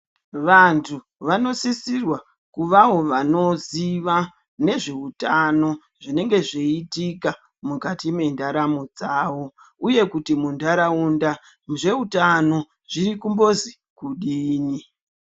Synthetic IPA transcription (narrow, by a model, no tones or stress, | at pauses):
ʋantʰu | ʋano̞sisirwa | kuʋawo̞ʋano̞ziʋa | ne̞ʐe̞utano̞ | ʐine̞ŋɡe̞ʐeitika | mukatime̞ndaɾamod͡zaːwo̞ | uje̞kutimundaɾaunda | mʐe̞utano̞ | ʐ̥iɾikumbo̞zi | kuɗiːni